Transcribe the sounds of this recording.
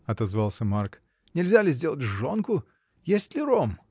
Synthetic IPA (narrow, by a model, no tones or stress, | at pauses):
ɐt̪ɐzvɑlˠsʲəmark | nʲɪlʲzʲalʲɪzʲdʲe̞lˠətʲʐonkʊ | jesʲtʲlʲɪɾom